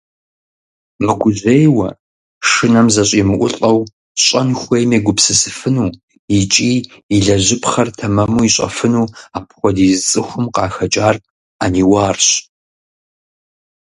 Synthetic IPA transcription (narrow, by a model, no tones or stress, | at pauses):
mɨɡʷʊʑejwɐ̰ | ʂɨnɐmzɐɕʼiːmɨʔʷʊ̰ɬʼɐw | ɕʼɐnxʷejmeːɡʷʊpsɨsɨfɨnuː | it͡ʃʼiːiɮɐʑɪpχɐrtʰɐmɐmuːiɕʼɐ̰fɨnuːaːpχʷɔdiːzɨt͡sʼɨxʷʊmqɑːxɐt͡ʃʼaːr | aːniːwaːrɕ